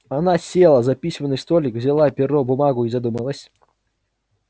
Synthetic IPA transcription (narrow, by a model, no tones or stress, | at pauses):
ɐnasʲelˠəzɐpʲisʲmənːɨjst̪olʲɪkvzʲɪlˠapʲɪɾobʊmaɡʊizɐd̪uməlˠəsʲ